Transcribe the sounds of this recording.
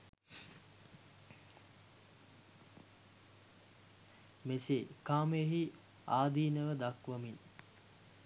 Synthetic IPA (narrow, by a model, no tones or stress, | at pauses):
mesekaːmeeɦi | aːd̪iːnəʋəd̪akʋəmin